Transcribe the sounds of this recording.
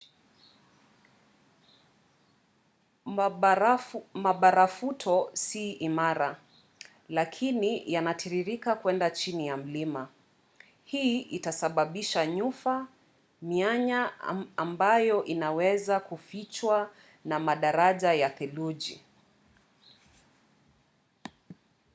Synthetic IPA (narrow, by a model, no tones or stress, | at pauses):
maɓaɾafutʰɔsiʔimaɾa | lakʰinijanatʰiɾiɾikakwɛndat͡ʃinijam̩lima | hiʔitasaɓaɓiʃaɲufa | miaɲaːmbajɔʔinawɛzakufit͡ʃwa | namaɗaɾaʄajakɛluʄḭ